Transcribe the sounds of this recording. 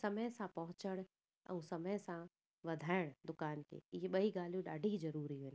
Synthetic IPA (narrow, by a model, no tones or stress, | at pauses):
sɐməjsãpɐɦʊ̃t͡ʃəɽ̃ | ə̰̃ũsɐməjsã | ʋɐd̪ʱaːɪɽ̃d̪ʊkaːnkḛjeɓɐiɡaːljũɗa̰ːɖʱid͡ʒɐɾuːɾiɦon